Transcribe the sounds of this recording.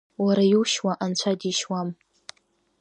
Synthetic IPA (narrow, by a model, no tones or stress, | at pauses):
waɾajuʃwaʔant͡ɕʷʰadiʃwam